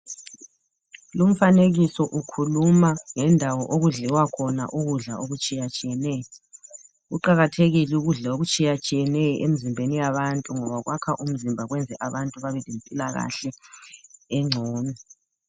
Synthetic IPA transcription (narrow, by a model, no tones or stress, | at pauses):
lum̩faneɣisɔʔukʰulumaŋɛndʱawɔʔoɣuɮɛwakʰɔna̰ʔuɣuɮa̰oɣut͡ʃʼijat͡ʃʼijɛnɛːjɔ | ɣuǃaɣatʰeɣiluɣuɮaoɣut͡ʃʼijat͡ʃʼijɛnɛjɔʔem̩zimbʱenijaβantʼuŋɔβaɣwakʰaʔum̩zimbʱaɣwɛnd͡zʱɛʔaβantʼuβaβɛlempʼilaɣa̰ɬɛ | ɛŋ͡ǀʱɔːnɛ